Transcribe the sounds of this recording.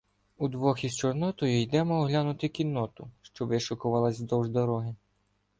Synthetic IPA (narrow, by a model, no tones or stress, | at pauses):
ud̪ʋɔxist͡ʃɔrnɔt̪ɔjʊjd̪ɛmɔːɦlʲanʊt̪ɪkʲinːɔt̪ʊʃt͡ʃɔbɪʃʊkʊʋɑlˠɐzʲd̪ɔwʒd̪ɔɾɔɦɪ